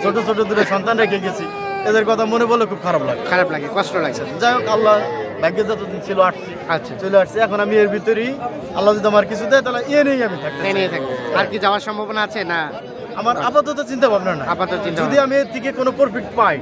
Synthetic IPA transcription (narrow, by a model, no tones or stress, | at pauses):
t͡ɕʰoʈot͡ɕʰoʈod̪uɾeʃɔnt̪anɾekʰieɡet͡ɕʰi | ed̪eɾkɔt̪ʰamonebolekʰub̚kʰaɾablaɡekʰaɾablaɡekɔsʈolaɡ̚t͡ɕʰed͡ʑajokalːabaɡːed͡ʑat̪ot͡ɕʰiloaʈʰsʰiatːʃʰat͡ɕojleaʈʰsiɛkʰonamieɾbʱit̪oɾi | a̰lːazod̪iamaɾkit͡ɕʰud̪ɛjt̪aɦlaieniejamit̪ʰak̚t̪eniet̪ʰak̚t̪eaɾkiawaɾʃɔmbʱabonaat͡ɕʰena | amaɾapat̪̬ot̪̬ot͡ɕint̪abʱabnaɾna̰apat̪ɔt̪t͡ɕĩnaod̪iamieɾt̪ʰik̬ekonopoɾpik̚ʈpajʈ